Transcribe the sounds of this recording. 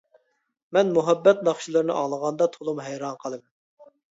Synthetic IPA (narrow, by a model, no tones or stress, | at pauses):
mɛnmuɦɛbːɛt̪nɑχʃilˠɨɾɨnɨʔɑŋlˠəʁɑnd̪ɑt̪ʰolˠumɦɛjɾɑnqʰɑlˠɨmn